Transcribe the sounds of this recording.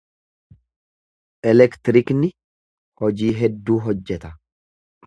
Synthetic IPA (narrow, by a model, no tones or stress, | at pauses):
ʔɛlɛkt̪ɪɾɪknɪ | hɔd͡ʒiːɦɛd̪ːuːɦɔd͡ʒːɛt̪ɐ